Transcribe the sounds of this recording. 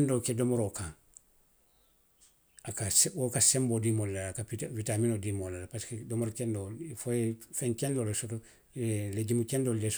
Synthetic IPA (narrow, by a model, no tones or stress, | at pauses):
ndoːkedomoɾokãŋ | akaswokasembodimollalkaivitaminodimolːalapaskedomoɾkendofojefeŋkendolesoto | leɟimukendolɟes